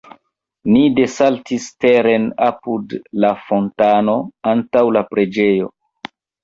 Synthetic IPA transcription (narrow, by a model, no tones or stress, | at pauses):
nide̞saltiste̞ɾe̞napudlafo̞ntano̞antawlapɾe̞d͡ʒe̞jo̞̰